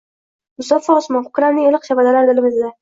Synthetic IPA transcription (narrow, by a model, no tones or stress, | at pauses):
ʊsɒfɒːsmɒnχʊkɾamnɪŋelˠɨqʃabad̪alaɾd̪ɪlɪmɪzd̪a